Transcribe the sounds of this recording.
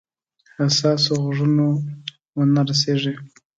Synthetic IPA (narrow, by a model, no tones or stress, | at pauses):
hasɑsoɣʐuno | wənaɾas̬eʐe